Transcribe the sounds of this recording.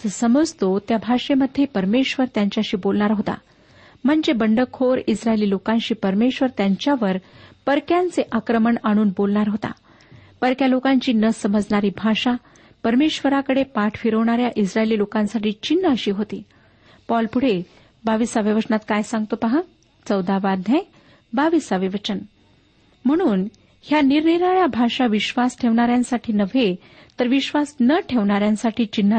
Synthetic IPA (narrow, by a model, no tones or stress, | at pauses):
səməd͡zt̪ot̪jabʱaʂeməd̪ʱːjepəɾmeɕʋəɾt̪jaɲt͡ɕjaɕiːbolɳaɾɦot̪a̰ | m̤əɳd͡zebəɳɖəkʰoɾisɾaeliːlokanɕiːpəɾmeɕʋəɾt̪jaɲt͡ɕjaʋəɾpəɾkjant͡seʔakɾəməɳaɽ̃uːnbolɳaɾɦot̪a̰ | pəɾkjalokaɲt͡ɕiːnəsəməd͡zɳaɾiːbʱaʂa | pəɾmeɕʋəɾakəɽepaʈʰfiɾəʋɳ̃aɾjaʔisɾaeliːlokãnsaʈiːt͡ɕinːaəɕiːɦot̪ḭː | pɔlpuɽ̤e | baʋisaʋiʋət͡ɕɳat̪kajsãŋɡ̚t̪opaɦa | t͡səwd̪aʋad̪ʱjã | baʋisaʋiʋət͡ɕən | m̤əɽ̃uːn | hjaniɾɳiɾaɭjabʱaʂaʋiɕʋasʈʰeʋɳaɾjãnsaʈʰiːnəʋʱe | t̪əɾʋiɕʋasnəʈʰeʋɳaɾjãnsaʈʰiːt͡ɕinː